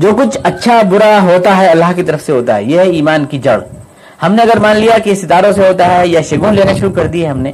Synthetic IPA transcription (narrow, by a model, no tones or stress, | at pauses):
d͡ʒoːkʊt͡ʃʰɐtːʃʰabʊɾaɦoːt̪aɦɛɐlːaːɦkit̪ɐɾəfseɦoːt̪a̰ɦɛjeɦɛiːmaːnkid͡ʒɐɽ | hɐmneɐɡəɾmaːnlijakiɪst̪ɪt̪aːɾõseɦoːt̪aɦɛjaʃɐɡũːnleːnaʃʊɾukɐɾd̪iɦɛɦɐmneː